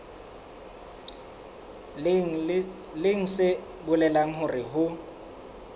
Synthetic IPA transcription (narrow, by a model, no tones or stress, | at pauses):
lɪŋ̩sɪ | bʊlɛlaŋ̩ɦʊrɪɦʊ